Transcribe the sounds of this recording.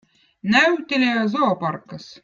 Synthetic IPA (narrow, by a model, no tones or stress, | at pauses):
næɥt̪ʲelʲææzoːpɑrkəs